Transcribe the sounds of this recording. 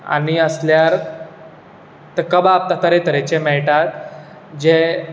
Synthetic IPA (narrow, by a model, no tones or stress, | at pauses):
a̰ɽ̃iəsljaɾ | t̪əkəbap̚t̪at̪əɾet̪əɾet͡ɕemɛɭʈat̪ | d͡ʑe